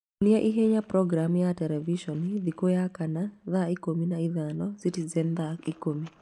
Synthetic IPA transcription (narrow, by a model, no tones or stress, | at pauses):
niaʔiɦeɲapɾɔɡɾamjatɛlɛviʃɔnd̪ikojakanaðaikominaiðanɔsitizɛnd̪akikomi